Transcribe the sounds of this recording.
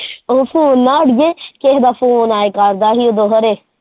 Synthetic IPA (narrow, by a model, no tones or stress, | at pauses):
oːfʰoːnːaːɽjẽːkeɦd̪aːfʰoːnaːekaɾd̪aːɦiod̪oːɦəɾeː